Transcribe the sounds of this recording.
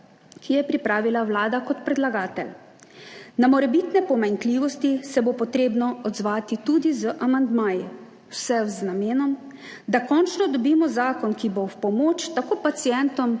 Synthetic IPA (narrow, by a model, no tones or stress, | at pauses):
kʰijɛpɾipɾaːʋilawlaːd̪akɔt̪pɾɛd̪laɡaːt̪ɛl | namɔɾɛbiːt̪nɛpɔmaŋkliːʋɔst̪isɛbopɔt̪ɾeːbnɔɔd̪zʋaːt̪it̪ud̪izəʔamand̪maːji | wsɛwznameːnɔm | d̪akɔnt͡ʃnɔd̪ɔbiːmɔzaːkɔnkibowpɔmoːt͡ʃt̪akoːpat̪sijɛnt̪ɔm